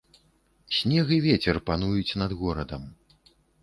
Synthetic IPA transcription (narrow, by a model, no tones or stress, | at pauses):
sʲnʲɛɣɨvʲɛt͡sʲɛrpanujut͡sʲnɐd̪ɣɔɾɐd̪ɐm